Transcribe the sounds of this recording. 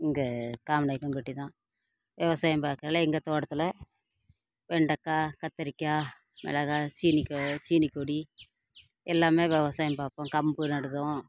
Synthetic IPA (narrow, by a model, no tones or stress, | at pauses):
ɪŋɡɐkaːmnɐːɪkːɐmpɐʈːit̪ãː | ʋɛʋɐsaːjɐmpaːɾkːɐɾɐlɐɛŋɡɐt̪oːɽɐt̪ːɪlɐ | ʋɛɳɖɐkːaːkɐt̪ːɐɾɪkːaː | mɛ̰lɐɣaːt͡ʃiːnɪkːt͡ʃiːnɪkːoːɽi | ɛlːaːmeːʋɛʋɐsaːjɐmpaːpːõːkɐmbɯnɐɽɯðõː